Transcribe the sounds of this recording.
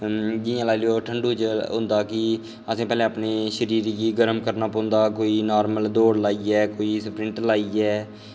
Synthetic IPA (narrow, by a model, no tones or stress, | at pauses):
d͡ʒɪjãːlaːiljoːʈʰəɳɖuːt͡ʃɦʊ̃nd̪aːkɪ | əsẽːpɛːlɛ̃ːaːpneːʃəɾiːɾjiːɡəɾəmkəɾnaːpõːnd̪aːkoːiːnaːɾməld̪oːɽlaːiːɛːkoːiːspɾɪ̃ɳʈlaːiːɛː